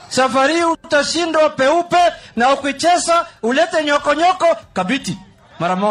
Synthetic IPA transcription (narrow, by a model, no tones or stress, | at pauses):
safaɾiutaʃindwapɛupɛnaukwit͡ʃɛsaulɛtɛɲɔkɔɲɔkɔkabiti | maɾamɔ